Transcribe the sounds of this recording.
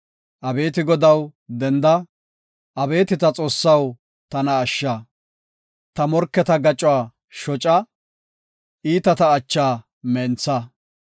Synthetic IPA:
ʔɐbe̞ːt̪ɪɡɔd̪ɐwd̪ɛnd̪ɐ | ʔɐbe̞ːt̪ɪt̪ɐt͡sʼo̞ːsːɐw | t̪ɐnɐːʃːɐ | t̪ɐmɔɾkːɛt̪ɐɡɐt͡ʃʼːʊwaː | ʃɔt͡ʃʼɐ | ʔiːt̪ɐt̪ɐːt͡ʃːaː | mɛnt͡sːɐ

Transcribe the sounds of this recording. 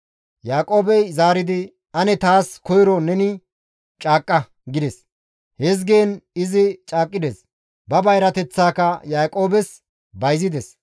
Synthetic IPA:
jaːkʼo̞ːbɛjzaːɾɪd̪ɪ | ɐnɛt̪aːskɔjɾɔnɛnɪ | t͡ʃʼaːkʼːɐ | ɡɪd̪ɛs | hɛz̬ɡe̞ːnɪzɪt͡ʃʼaːkʼːɪd̪es | bɐbɐjɾɐt̪ɛt͡sːaːkɐjaːkʼo̞ːbɛs | bɐjzɪd̪ɛs

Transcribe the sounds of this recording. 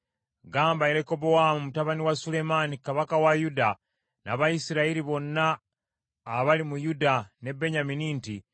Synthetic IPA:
ɡaːmbaiɾe̞ko̞bowamumutaβaniwasule̞manikaβakawajuda | na̰βajisiɾaiɾiβo̞nːaː | βalimujudane̞be̞ɲaminiːnti

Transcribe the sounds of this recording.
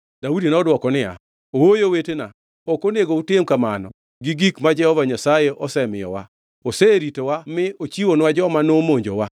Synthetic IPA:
d̥audinɔdwɔkɔnɪa̰ | owojowetena | ɔkoneɡoutemkamanɔ̰ | ɡiɡikmad͡ʒɛhɔvaɲasajeʔɔsɛmɪjɔ̰wa | oseɾitowamɪot͡ʃiwonwad͡ʒɔmanomoɲd͡ʒo̰wa

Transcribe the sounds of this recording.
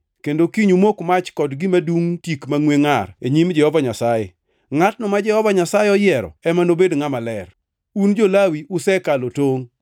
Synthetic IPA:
kendokiɲumokmat͡ʃkɔdɡɪmaduŋtikmaŋweŋareɲimd͡ʒɛhɔvaɲasajḛ | ŋat̚nɔmad͡ʒɛhɔvaɲasajeɔjɪɛɾɔ̰ɛmanobedŋamalɛr | und͡ʒolawiʔʊsɛkalotoŋ

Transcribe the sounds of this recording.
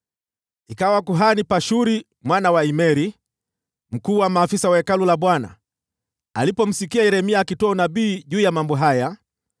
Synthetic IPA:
ikawakuɦanipaʃuɾi | mwanawaimɛɾi | m̩kuːwamaːfisawaɛkalulaɓwana̰ | a̰lipɔm̩sikiaɛɾɛmiakitɔɔnaɓiːʄuːjamambɔɦaja

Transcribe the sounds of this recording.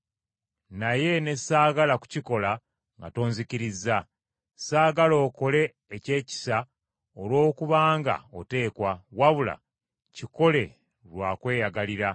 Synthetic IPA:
naje̞ne̞saːɡalaku̥ciko̞la | ŋɡa̰to̞ːnziciɾiza | saːɡalo̞ːko̞le̞ː | ce̞ːci̥sa | olwo̞ːkuβaːŋɡa̰o̞̰te̞ːkwawaβula̰ | ciko̞le̞ | ɾwaːkwe̞ːjaɡaliɾa

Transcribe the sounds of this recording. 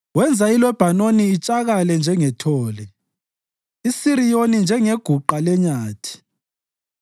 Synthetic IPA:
wɛnd͡zʱailwɛb̥ʱanoniːt͡ʃʼaɣalɛnd͡ʒʱɛŋɛtʰɔːlɛ | isiɾijonind͡ʒʱɛŋeɡ̥ʱuǃalɛɲaːtʰi̥

